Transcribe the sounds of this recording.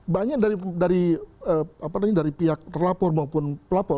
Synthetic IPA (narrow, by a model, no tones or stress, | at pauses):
baɲak̚daɾidaɾiəːapanaɲadaɾipiɦak̚t̪ərlapɔrmaupʊnpəlapɔ